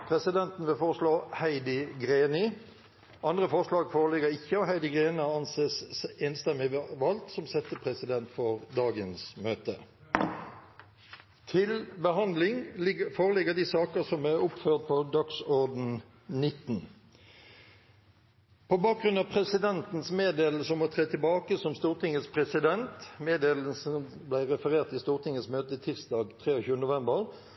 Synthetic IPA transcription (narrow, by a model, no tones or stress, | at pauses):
pʰʁɛsɪd̪ɛnt̪n̩ʋɪlfoːʁəʂloːhæɪd̪ɪɡʁeːnɪ | ʔɑnd̪ʁəfɔʁʂlɑːɡfoːʁəlɪɡəʁɪçːəɔhæɪd̪ɪɡʁeːnɪɑnseːseːnst̪ɛmɪʋɑlt̪sɔmsɛt̪ːəpʰʁɛsɪd̪ɛnt̪fɔʁd̪ɑːɡənsmøːt̪ə | t̪ʰɪlbəhɑnd̪lɪŋfoːʁəlɪɡəd̪isɑːkəʁsɔmæɾʊpføːʁt̪̚pʰɔd̪ɑksɔʁd̪n̩ | nɪt̪n̩ | pʰobɑːk̚ɡɾʉnɑʋpʰʁɛsɪd̪ɛnt̪n̩smeːd̪eːll̩səmoːt̪ʰʁeːt̪ʰɪlbɑːkəsɔmst̪uːʁt̪ɪŋəspʰʁɛsɪd̪ɛnt̪meːd̪eːl̩sən | blæɪʁɛfəʁeːʁt̪ɪst̪uːʁt̪ʰɪŋəsmøːt̪ət̪ʰɪʁsd̪ɑːɡt̪ʰʁeːoçʉːənnʊʋɛmbəʁ